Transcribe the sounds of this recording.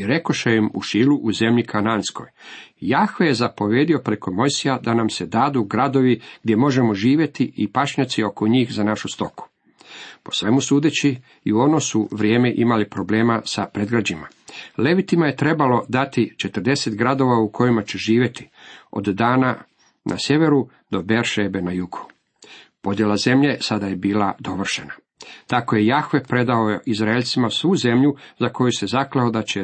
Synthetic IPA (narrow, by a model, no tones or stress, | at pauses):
iɾe̞ko̞ʃejimṵʃiːluʔuze̞mʎikʰanaːnsko̞̰jjaxʋeje̞zapo̞ʋje̞ːd̪io̞pɾeko̞mo̞jsijad̪anamsed̪aːd̪uɡɾad̪o̞ʋiɡ̥d̪ʲje̞mo̞ʒe̞mo̞ʒiːʋje̞t̪iipaʃɲat̪sio̞koɲiːxzanaʃust̪o̞ku̥ | po̞sʋe̞musuːd̪et͡ɕi | iuo̞nosuʋɾʲjeːmeʔimalipɾo̞ble̞ːmasapɾe̞d̪ɡɾad͡ʑima̰ | le̞ʋit̪imaje̞t̪ɾe̞balo̞d̪at̪it͡ʃe̞t̪ərd̪e̞set̪ɡɾad̪o̞ʋaukʰo̞jimat͡ɕeʒiːʋʲje̞t̪i̥o̞̰d̪ːaːna | nʔa̰sje̞ʋe̞ɾu | d̪o̞beɾʃebe̞najuku̥ | po̞d̪je̞laze̞mʎe̞sad̪aje̞biːlad̪o̞ʋr̩ʃe̞na | t̪ako̞je̞jaxʋe̞pɾe̞d̪aoʔizɾaeʎʲt̪simasʋuze̞mʎuzako̞juse̞zakleod̪at͡ɕe̞